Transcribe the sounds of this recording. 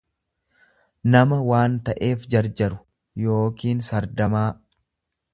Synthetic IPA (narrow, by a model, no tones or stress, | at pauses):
nɐmɐwaːnt̪ɐʔe̞ːfd͡ʒɐɾd͡ʒɐɾʊ̥ | jo̞ːkiːnsɐɾd̪ɐmaː